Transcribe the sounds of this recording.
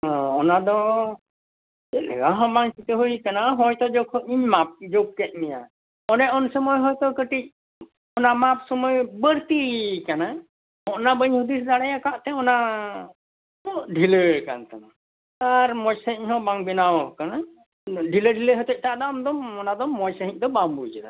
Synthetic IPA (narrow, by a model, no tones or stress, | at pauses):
ɦɔ̃ɔnad̪ɔ | ɛlɛ̰ɡaɦɔ̃baŋt͡ʃit̪eɦujkanaɦɔjt̪ɔd͡ʒɔkʰɔiɲmap̚d͡ʒok̚kɛt̪̚ˀmija̰ | ɔnɛʔɔnsɔmɔjɦɔjt̪ɔkəʈic̚ | ɔnamap̚sɔmɔjbəɾt̪ikana | hɔʔnabəɲhud̪isd̪aɽɛjakaʔt̪ɛɔna | ɔɖʱiləka̰nt̪ana | aɾmɔjsəiɲɦɔ̃baŋbɛnawkana | ɖʱiləɖʱiləɦət̪ɛc̚ʈaad̪ɔamd̪ɔmɔnad̪ɔmːɔjsəɦiɲ̚d̪ɔbambud͡ʒɛna̰